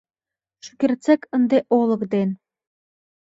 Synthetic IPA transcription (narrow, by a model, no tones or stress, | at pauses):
ʃy̥kʲirt͡sekʰə̆nd̪eʔolˠɤ̆kd̪en